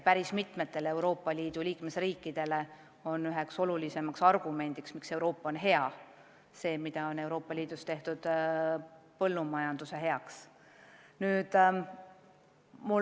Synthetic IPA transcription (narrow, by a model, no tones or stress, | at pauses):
pæɾismit̪me̞t̪ːe̞le̞wɾo̞ːpːˑɑliːd̪̥ulʲiːkmesriːkˑːid̪̥e̞le̞ | onːyɦe̞kso̞lulise̞mɑksɑrɡ̥ume̞nʲd̪̥iksmikse̞wɾo̞ːpːɑo̞nɦe̞ɑ | se̞ːmid̪̥ɑo̞ne̞wɾo̞ːpːˑɑlʲiːd̪̥ust̪e̞ht̪ud̪̥ | pɤlːumɑjɑnd̪̥use̞ɦe̞ɑks | nyːd̪̥ | mu